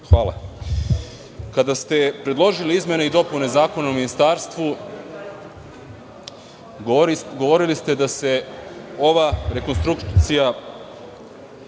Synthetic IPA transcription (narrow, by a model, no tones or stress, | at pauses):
xʋaːlˠa̰ | kad̪ast̪e̞pɾe̞d̪lˠo̞ʒiliizmʲje̞neid̪o̞pune̞zaːko̞nauminist̪aːɾst̪ʋu | ɡo̞ʋo̞ɾilist̪e̞d̪ase̞o̞ʋaɾe̞ko̞nst̪ɾukt̪sija